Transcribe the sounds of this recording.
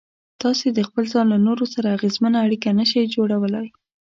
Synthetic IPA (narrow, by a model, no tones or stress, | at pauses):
t̪ɑsed̪əxpəlzɑnlanoɾosaɾaːɣezmanaːɽikanəʃajd͡ʒoɽawəlaj